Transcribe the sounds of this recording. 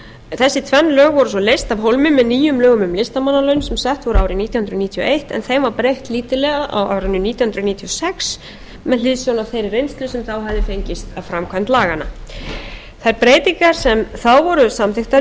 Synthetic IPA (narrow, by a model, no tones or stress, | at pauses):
θɛsːɪt̪ʰvɛnːlœːɣvɔɾʏsɔlejst̪avɦowlmʏmɛðniːjʏmlœːɣʏmʏmlɪst̪amanːalœɥnsɛmsɛht̪vɔɾaːwɾɪniːt̪jhʏnɾʏniːt̪ʰiɔ̰ʔejht̪ɛ̰nθejmvaɾpɾejht̪liːt̪ɪlɛɣaʔa̰wa̰vɾʏnːʏniːt̪jhʏnɾniːt̪ʰiɔsɛks | mɛðlɪðsjɔwnaθejɾrejnst̪lʏsɛmθawɦavðɪfejɲcɪst̪afɾamkʰvamt̪laːɣanːa | θajɾpɾeːjt̪iŋkaɾ̥sɛmθawvɔɾʏsamθɪxt̪a